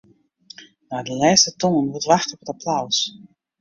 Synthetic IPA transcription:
naːdəlɛːstətɔŋənʋutʋaxtɔpətapʰlaws

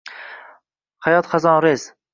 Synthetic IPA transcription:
hajɒt̪χazɒnɾez̥

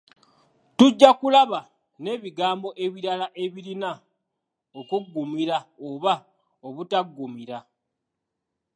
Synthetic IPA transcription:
tuɟːakulaβa | ne̞ːβiɡaːmbo̞ʔe̞βiɾalaʔe̞βiɾina | okuɡːumiɾaoβa | oβutaɡːumiɾa

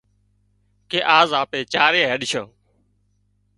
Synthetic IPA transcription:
keːʔaːzaːpeːt͡ʃaːɾeːɦəɗʃoː

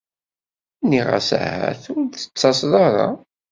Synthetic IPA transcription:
niʁa̰sa̰hæ̰θʊɾθə̥t͡sːɑsðˤɑɾˤɑ̰

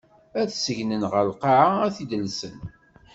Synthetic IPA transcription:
æθsəʝnənʁəlqɑʕaæθid̪əlsən

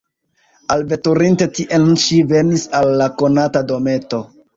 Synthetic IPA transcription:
alve̞tuɾinte̞tiʔenʃive̞nisalːako̞natado̞me̞to̞

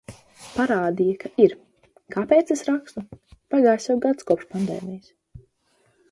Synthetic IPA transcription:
paɾaːd̪ijakaʔiɾ | kapejt̪sesɾakst̪upaɡaːjsʲjawɡat̪skɔpʃpand̪ḛːmijs

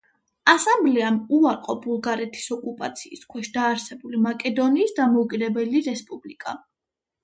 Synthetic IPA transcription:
asamblɛamuaɾqʼɔbulˠɡaɾɛt̪ʰi̥sɔkʼupʼat̪sʰiːskʰwɛʃd̪aːɾsɛbulimakʼɛd̪ɔniːsd̪amɔukʼid̪ɛbɛliɾɛspʼublikʼa̰

